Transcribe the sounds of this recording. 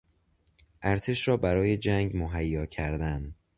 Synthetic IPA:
ʔæɾt̪ʰe̞ʃɾɒːbæɾɒːje̞d͡ʒæŋɡmoɦæjːɒːcʰæɾd̪æn

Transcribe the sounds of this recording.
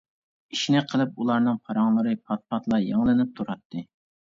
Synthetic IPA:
iʃinɪqʰəlˠɨp̚ulˠɑɾnɨŋpʰɑɾɑŋlˠɨɾɨpʰɑt̪̚pʰɑt̪lˠɑjeŋlˠɨnɨp̚t̪ʰuɾɑt̪ʰːɨ

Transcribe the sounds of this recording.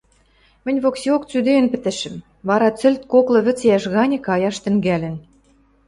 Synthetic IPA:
mɘ̆nʲβoksiok̚t͡syd̪ĕːnpɘ̆t̪ɘ̆ʃɘ̆m | βɑɾɑt͡sɘ̆lʲt̪koklɤ̆βɘ̆t͡sjæʃɣɑnʲĕkɑjɑʃt̪ɘ̆ŋɡælʲɘ̆n

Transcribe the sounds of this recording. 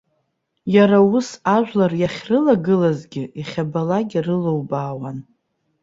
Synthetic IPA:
jaɾausaʒᶣʷlarjaχʲrɨlaɡɨlazɡʲɪiχʲabalaɡʲɪrɨlowbaːwan

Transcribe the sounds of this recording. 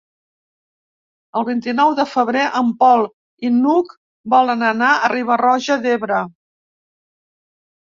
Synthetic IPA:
əlˠβint̪inɔwðəfəβɾeʔəmpɔlˠ | inuk | bɔlənənaəriβ̞ərɔʒəðeβɾə

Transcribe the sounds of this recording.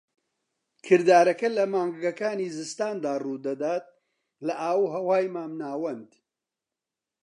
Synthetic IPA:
kʰɨɾd̪aːɾɐkɐlɐmaːŋɡɡɐkaːniːzɨst̪aːnd̪aːrud̪ɐd̪aːt̪̚ | lɐʔaːwhɐwaːjmaːmnaːwɐnd̪

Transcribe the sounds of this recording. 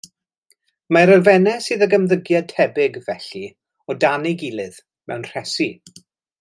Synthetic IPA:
maɾəlvɛnɛsɨːðəɡəmðəɡjatʰɛbɪɡvɛɬi | ɔdanɪɡilˠɨð | mɛ̰wnr̥ɛsi

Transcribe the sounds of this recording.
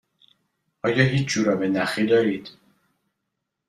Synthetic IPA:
ʔɒːjɒːɦiːt͡ʃʰd͡ʒuːɾɒːbenæxiːd̪ɒːɾiːd̪̥

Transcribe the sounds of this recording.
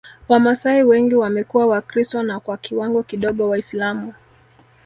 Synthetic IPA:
wamasaiwɛŋɡiwamɛkuwawakɾistwanakwakiwaŋɡɔkiɗɔɠɔwaislamu

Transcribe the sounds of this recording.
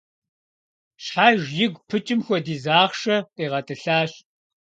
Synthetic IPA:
ɕħaːʒjɪɡʷpʰɨt͡ʃʼɪmxʷɔdiːzaːχʃɐqiːʁɐtʼɨɬaːɕ

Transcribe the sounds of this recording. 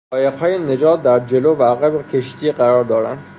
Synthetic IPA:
ɒːjeqhɒːjene̞d͡ʒɒːt̪̚d̪æɾd͡ʒe̞lovæɣebekʰe̞ʃt̪iːɢæɾɒːɾd̪ɒːɾænd̪̥

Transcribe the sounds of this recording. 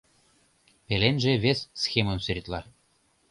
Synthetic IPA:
pelenʲʒĕβʲesʲːxʲemɤ̆nsɘ̆ɾʲit̪lɑ

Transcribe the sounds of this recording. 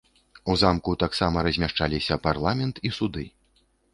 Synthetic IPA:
uzamkut̪aksamɐɾɐzʲmʲaʂt͡ʂalʲisʲɐparlˠamʲɛnt̪isud̪ɨ

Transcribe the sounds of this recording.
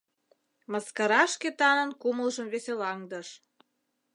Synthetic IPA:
mɑskɑɾɑʃket̪ɑnə̆nkuməlʒəmβeselɑŋd̪əʃ

